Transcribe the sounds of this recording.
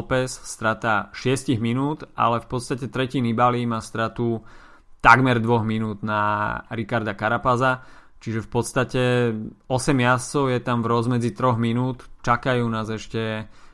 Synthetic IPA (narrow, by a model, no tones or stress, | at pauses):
pɛsst̪ɾat̪aːʃɪɛsciɣminuːt̪a̰lɛfpɔt̪st̪acɛt̪ɾɛcinibalimaːst̪ɾat̪u | t̪aɡmɛɾd̪ʋɔɣminuːd̪naɾikaɾd̪akaɾapaza | t͡ʃiʒɛfpɔt̪st̪acɛɔsɛmɪast͡sɔʊjɛt̪amvɾɔzmɛd͡zit̪ɾɔɣminuːt̪t͡ʃakajuːnaːzɛʃcɛ